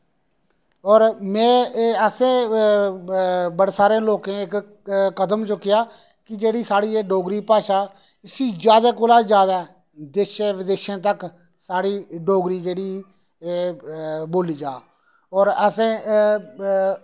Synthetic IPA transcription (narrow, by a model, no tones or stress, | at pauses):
ɔːɾmɛ̃ːəsẽː | bəɽeːsaːɾẽːloːkẽːɪk | kəd̪əmt͡ʃʊkːɪjaː | kɪd͡ʒeːɽiːsaːɽiːeːɖoːɡɾiːpaːʃaː | ɪsiːd͡ʒjaːd̪aːkʊlaːd͡ʒjaːd̪aː | d̪eʃeʋɪd̪eːʃãːt̪ək | saːɽiːɖoːɡɾiːd͡ʒeːɽiː | boːliːd͡ʒaː | ɔːɾəsẽː